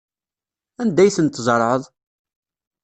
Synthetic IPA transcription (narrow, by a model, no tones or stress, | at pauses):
ænd̪æjθənt̪ːzˤəɾˤʕəðˤ